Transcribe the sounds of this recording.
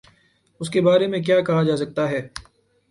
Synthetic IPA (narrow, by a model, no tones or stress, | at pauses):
ʊskebaːɾemẽk̬jaːkɐɦad͡ʒaːsɐk̚t̪aɦɛː